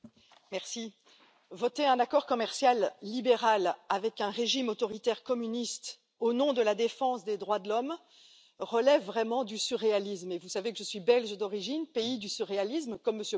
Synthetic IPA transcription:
mɛʁsi | vɔt̪eɛ̃nakɔʁkɔmɛʁsjalːibeʁalavɛkɛ̃ʁeʒimot̪ɔʁit̪ɛʁkɔmynist̪ | onɔ̃d̪əlad̪efɑ̃sd̪ed̪ʁwad̪əlɔm | ʁəlɛvːʁɛmɑ̃d̪ysyʁealismevusavekəʒəsɥibɛlʒəd̪ɔʁiʒinpeid̪ysyʁealismkɔmːəsjø

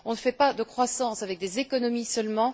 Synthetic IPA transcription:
ɔ̃nəfɛpad̪əkχwasɑ̃savɛk̚d̪ezekɔnɔmisœlmɑ̃

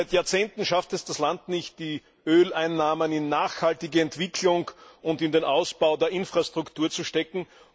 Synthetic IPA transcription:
ɪtjaːɐt͡seːntn̩ʃaftɛsd̥aslantnɪçt̚d̥iː | ʔøːlaɪnːaːmənɪnːaːxhaltɪɡəɛntv̥ɪkʰlʊŋʊndɪndenʔaʊsb̥aʊdeːɐʔɪnfʁ̥astʁ̥ʊktʰuːɐt͡suʃtɛkŋ̩

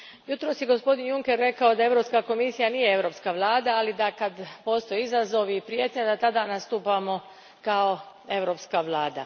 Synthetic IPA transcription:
jut̪ɾo̞sjeɡo̞spo̞d̪injuŋkeɾːe̞kao̞d̪ae̞ʋɾo̞pskako̞misijaniːjee̞ʋɾopskaʋlˠaːd̪aːlid̪akad̪po̞st̪o̞jeizazo̞ʋiːpɾijet̪ʲɲad̪at̪ad̪anast̪uːpamo̞ | kao̞ | e̞ʋɾo̞pskaʋlˠaːd̪a̰

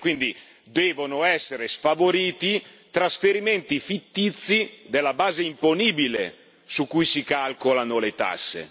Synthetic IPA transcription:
kwind̪i | d̪ɛːvonoɛsːeɾesfavoɾiːt̪i | t̪ɾasfeɾiment̪ifit̪ːit̪sːid̪elːabaːzeimponiːbilḛ | sukːujsikalkolanolet̪a̰sːḛ

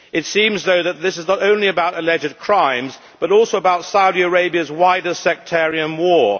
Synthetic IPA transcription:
ɨtsĩmzðoʊðɨt̪̚ðɪsɨznəɾõʊ̃nliɨbaʊɾəlɛd͡ʒɨd̚kʰɹ̥ãɪ̃mz | b̥ʌɾɔˑlˠsoʊəbaʊtsaʊɾiəɹeɪbiɨzwaɪɾəsɛk̚tʰɛɹiɨ̃nwɔː

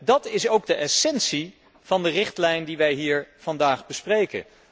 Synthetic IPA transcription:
dɑtɪsowɡ̚dəʔɛsɛnsi | v̥ɑndərɪχtlɛjndiʋɛjɦiːɹv̥ɑndaːχbəsprejkə̰n

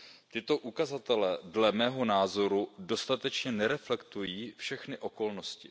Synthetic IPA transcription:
t̪ɪt̪o̞ʔukazat̪ɛlɛːdlɛmɛːɦo̞naːzo̞ɾudo̞st̪at̪ɛt͡ʃɲɛnɛɾɛflɛkt̪ujiːfʃɛxnɪʔo̞ko̞lno̞scɪ

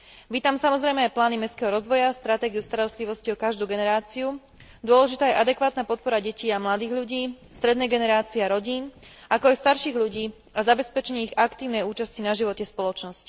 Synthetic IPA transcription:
ʋiːt̪amsamɔzɾɛjmɛajplaːnimɛskɛɦɔɾɔzʋɔjast̪ɾat̪ɛːɡiust̪aɾɔst̪liʋɔsciɔkaʒd̪uːɡɛnɛɾaːt͡siu | d̪ʊɔlɛʒit̪aːjɛʔad̪ɛkʋaːt̪napɔt̪̚pɔɾaɟɛciːamlad̪iːɣʎuɟiː | st̪ɾɛd̪nɛjɡɛnɛɾaːt͡siɛaɾɔɟiːn | akɔajst̪aɾʃiːɣʎuɟiː | azabɛspɛt͡ʃɛɲɛiɣakt̪iːʊnɛjuːt͡ʃascinaʒiʋɔcɛspɔlɔt͡ʃnɔsc

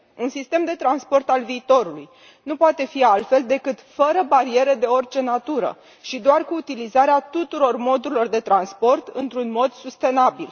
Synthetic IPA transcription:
unsist̪e̞md̪e̞t̪ɾanspo̞rt̪alviːt̪o̞ɾuluj | nupoat̪e̞fialt̪fe̞ld̪e̞kɨt̪fəɾəbaɾie̞ɾe̞d̪e̞o̞rt͡ʃe̞nat̪uɾə̰ | ʃid̪oarkuːt̪ilizaɾeat̪ut̪uɾo̞rmo̞d̪uɾilo̞rd̪e̞t̪ɾanspo̞rt̪ɨ̰nt̪ɾunmo̞d̪sust̪e̞nabil

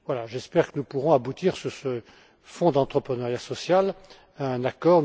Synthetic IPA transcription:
vwalaʒɛspɛʁkənupuʁɔ̃abut̪iʁsyʁsə | fɔ̃d̪ɑ̃t̪χəpχənœʁjasɔsjal | aɛ̃nakɔʁ

